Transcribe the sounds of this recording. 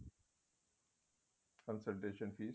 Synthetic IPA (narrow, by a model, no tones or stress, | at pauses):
kə̃nsəɾʈeːʃə̃nfiː